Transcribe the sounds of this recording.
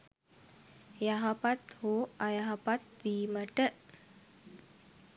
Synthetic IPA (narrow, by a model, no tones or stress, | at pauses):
jaɦapat̪hoajaɦapat̪̚bimaɖəʔ